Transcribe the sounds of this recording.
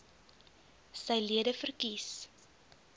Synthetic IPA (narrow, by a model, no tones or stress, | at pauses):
səjliədəfərkis